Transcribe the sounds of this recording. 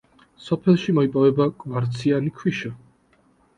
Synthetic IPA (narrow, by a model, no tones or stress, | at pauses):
sɔpʰɛlˠʃimɔipʼɔvɛbakʼvaɾt̪sʰianikʰwiʃa